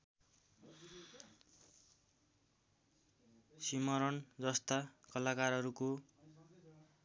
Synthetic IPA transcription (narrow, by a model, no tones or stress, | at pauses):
simʌɾʌnd͡zʌst̪akʌlakaɾʌɾuko